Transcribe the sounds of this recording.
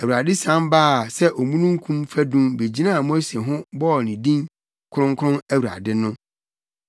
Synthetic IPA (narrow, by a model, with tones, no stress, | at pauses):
æ˨wu˨a˨dɪ˦sã˦mbaː˦˨sɛ˦ʔo˨mũ˦nũ˦ŋ̩˦kʰũ˦mfæ˦dũ˦mbe˨d͡ʑi˦nã˦˨mo˦se˨ɦʊ̃˦bɔ˦˨nĩ˨dĩ˦n | kʰʊ˦ɾʊ̃˦ŋkʰʊ˦ɾʊ̃˦næ˦wu˨a̰˨dɪ˦nʊ̃˦